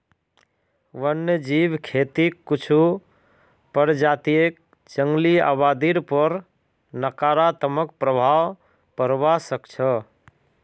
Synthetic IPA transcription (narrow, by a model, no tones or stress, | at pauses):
ʋənːd͡ʒibkʰet̪ikːut͡ʃʰu | pəɾd͡ʒat̪iek̚ | d͡ʒəŋɡlia̰bad̪iɾpəɾ | nəkaɾat̪əməkpɾəbʱaw | pəɾbasəkt͡ʃʰə